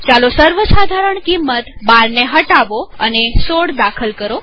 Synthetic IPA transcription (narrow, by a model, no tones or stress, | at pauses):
t͡ʃalosəɾʋəsad̪ʱaɾəɳkimːət̪baɾneɦəʈaʋoənesoɽd̪akʰəlkəɾo